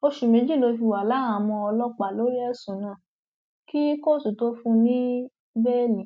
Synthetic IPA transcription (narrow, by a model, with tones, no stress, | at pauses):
o˧ʃu˨mẽ˨˧˦d͡ʒi˦˨lo˧fi˧˨wa˨la˨˦a˨mɔ̃˧ɔ˧lɔ˦k͡pa˨lo˨˦ɾi˦ɛ˦sũ˨nãː˦˨ | ki˦ko˦˨su˨to˦fũ˧nĩ˦ | bɛ˦lĩ˨